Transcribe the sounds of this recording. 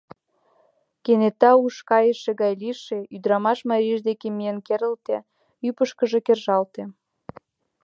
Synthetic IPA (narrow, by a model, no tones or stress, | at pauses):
kenet̪ɑuʃkɑjəʃeɣɑjliʃeyd̪ɾɑmɑʃmɑɾʲiʒd̪ekemienkeɾə̆lt̪e | ypəʃkə̆ʒekerʒɑlt̪e